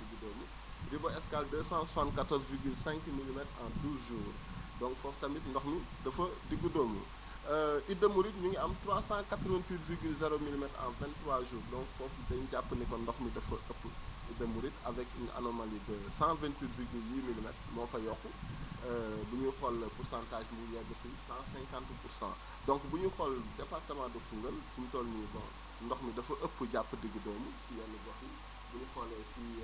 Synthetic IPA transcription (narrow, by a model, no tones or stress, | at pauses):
diɡudɔːmu | ribɔɛskaldəːsãsãnkatɔɾzviɾɡylsɛ̃ŋkmilimɛtã̰ːduːzʒuːr | dɔ̃ŋkfɔːftɐmitndɔxmi | dɐfədiɡudɔːmṵ | əʔidəmuɾitɲuŋuɐmtɾwasãkatɾəvɛ̃ntwiːtviɾɡylzɛɾomilimɛtã̰vɛ̃nttːɾwaːʒuːɾdɔ̃ŋkfɔːfdɐɲɟapːənɛkɔndɔxmidɐfɐʔəpːəɛdɐmuɾitɐvɛkiŋʔa̰nomalidəsãvɛ̃ntwitviɡylmililmɛ̰tmɔfɐjɔkːuəbuɲuxɔlpursãːntaːʒmujɛɡəfəjsãːsɛ̃ŋkãntpuɾsã̰ | dɔ̃ŋkbuɲuxɔldɛpartəmãːdɔkuŋɡəlsumtɔːlmuɲubɔn | ndɔxmidɐfɐʔəpːəɟapːədəɡːədɔwmusijɐnibɔxji | buɲuxɔlɛsi